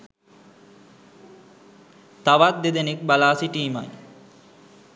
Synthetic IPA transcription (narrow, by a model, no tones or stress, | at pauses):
t̪aʋat̪̚d̪ed̪enek̚balaːsiʈiːma̰j